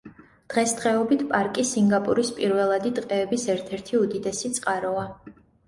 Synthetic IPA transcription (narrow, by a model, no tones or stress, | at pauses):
d̪̥ʁɛsd̪ʁɛɔbit̪ʰpʼaɾkʼisiŋɡapʼṵɾispʼiɾvɛlˠad̪id̪qʼɛːbisɛɾt̪ʰɛɾt̪ʰiud̪id̪ɛsit̪sʼqʼaɾɔa